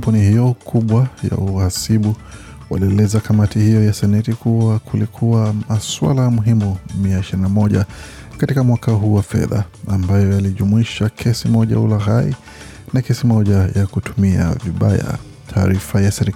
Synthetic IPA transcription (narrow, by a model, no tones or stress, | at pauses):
punihijɔkʰuɓwaja̰uhasiɓu | wa̰liɛlɛzakamatihijɔjasɛnɛtikuwakʰulikʰuwamaswa̰lamuɦimumiaiʃiɾinamɔʄa | katikamwakaɦuːwafɛ̰ða̰ːmbajɔjaliʄumuiʃakʰɛsimɔʄa̰ṵlaɦaḭ | nakɛsimɔʄajakutumia̰viɓaja̰ | tʰaːɾifajasɛɾi